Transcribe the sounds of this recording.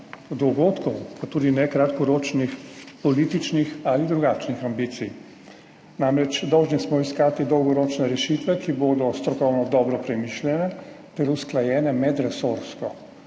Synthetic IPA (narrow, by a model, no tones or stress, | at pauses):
d̪ɔɡoːt̪kɔwpat̪uːd̪inɛkɾat̪kɔɾoːt͡ʃnixpɔliːt̪it͡ʃnixalid̪ɾuɡaːt͡ʃnixambit̪sij | naːmɾɛt͡ʃd̪ɔwʒnixsmɔiskaːt̪id̪ɔwɡɔɾoːt͡ʃnɛɾɛʃit̪ʋɛkiboːd̪ɔst̪ɾɔkɔwnɔd̪ɔːbɾɔpɾɛmiːʃljɛnɛ | t̪ɛɾusklajɛːnɛmɛd̪ɾɛsoɾskɔ